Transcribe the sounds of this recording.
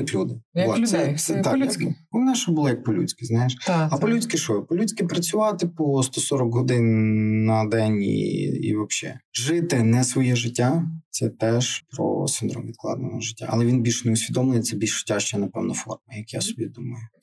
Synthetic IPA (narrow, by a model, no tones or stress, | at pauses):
ɐklʲud̪ɪɔsjɐɛt̪akɪɔmnɛʃɔbʊlˠɔjɐk̚pɔlʲut͡sʲkɪznɑjeʃɐpɔlʲut͡sʲkɪʃɔpɔlʲut͡sʲkɪpɾɐt͡sʲʊʋɑt̪ɪpɔst̪ɔsɔɾɔkɦɔd̪ɪnːɐd̪ɛnʲḭḭʋɐpʃɛ̰ʒɪt̪ɪnɛsʋɔjɛʒɪtʲːat̪sɛt̪ɛʒpɾɔ̰sɪnd̪ɾɔ̰mʋʲid̪klˠɑ̰d̪enɔʒɪtʲːa̰ʔɐlˠɛʋʲinbʲilʲʃneʊsʲʋʲid̪ɔmlˠenɪt̪ɛbʲilʲʃʒ̥ɪ̥tʲːaʃt͡ʃɔjɛnɐpɛwnɐfɔ̰rmɐjɐkjasɔbʲid̪umɐjʊ